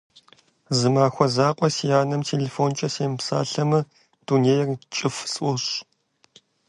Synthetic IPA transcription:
zɨmaːxʷɔzaːqʷʼɔsijaːnɐmtʰeːleːfoːnt͡ʃʼɐseːmpsa̰ːɬɐmɨ | d̥uneːjrt͡ʃʼɨfsʼʔʷɔɕ

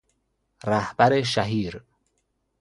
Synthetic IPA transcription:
ræhbæɾeʃæɦiːɾ

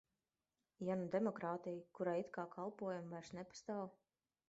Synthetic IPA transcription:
janud̪emɔkɾaːt̪ijkuɾajit̪kaːkʰalˠpuɔjamvaɾsnɛpḁst̪aːw

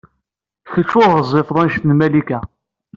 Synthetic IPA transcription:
çət͡ʃːʊʁəzˤːɪfðˤɑnʃt̪ənmælikæ

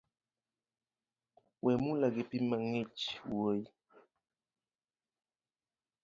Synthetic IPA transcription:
wɛmulaɡepimaŋet͡ʃwoji

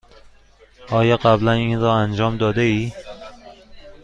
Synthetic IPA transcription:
ɒːjɒɢæblæninɾɒːænd͡ʒɒːmd̪ɒːd̪eiː

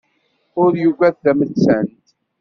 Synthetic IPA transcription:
ʊɾjuvæθθæmət͡sːənt̪

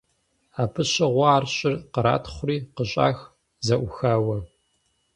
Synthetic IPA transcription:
aːpʰɨɕɐʁʷɑaːrɕʼɪrqəɾa̰ːtʰχʷʊriːqəɕʼa̰ːx | zɐʔʷʊxaːwɐ

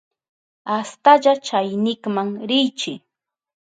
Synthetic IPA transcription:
ast̪aʎat͡ʃajnɪkmaŋɾɪjt͡ʃɪ

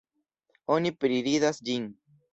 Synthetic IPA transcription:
o̞nipɾiɾidasd͡ʒin

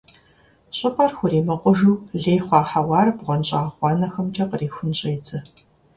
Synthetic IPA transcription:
ɕʼɐpʼarxʷʊɾiːmɐqʷʊʒuːɮeːjχʷɑːħawɑːrbʁʷɔnɕʼaːχʷɔnɐxɐmt͡ʃʼɐqəriːxʷʊnɕʼeːt͡sʰɨ

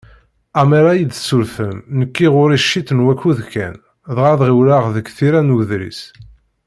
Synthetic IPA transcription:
æmæɾæjid̪sulfəmnəkːiʁʊɾiʃːit̪nwækːuðkæ̰n | ðʁaðʁiwlaʁðəkθiɾænuðɾḭs

